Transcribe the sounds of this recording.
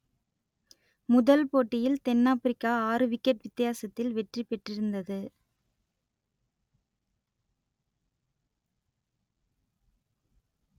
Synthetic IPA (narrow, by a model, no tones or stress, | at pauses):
mʊðɐlpoːʈːɪjɪlt̪ɛnːaːpɪɾɪkːaːaːɾɯʋɪkːɐpʋɪt̪ːɪjaːsɐt̪ːɪlʋɛʈripɛʈːrɪɾɯnd̪ɐðɯ